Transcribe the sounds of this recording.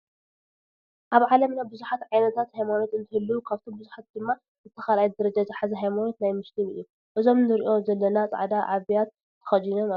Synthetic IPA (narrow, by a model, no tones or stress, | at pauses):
ʔaβʕalɐmnajbɨzuħat̪ʕajnɐt̪ʰat̪hajmano̞t̪ɨnt̪ʰɨhɨlːukʰaβt̪ʰo̞mbɨzuħat̪̚d̪ɨmːa | zɨt̪ʰːɐxalajd̪ɐɾɐd͡ʒaziħazɐɦajmano̞t̪najmɨst̪ʰinɨ̰jːu | ʔɨzo̞mnɨɾiʔo̞zɐlːɐnat͡sʼa̰ʕd̪aʕaβijat̪ʰː | ɐ̥xɐd͡ʒinoma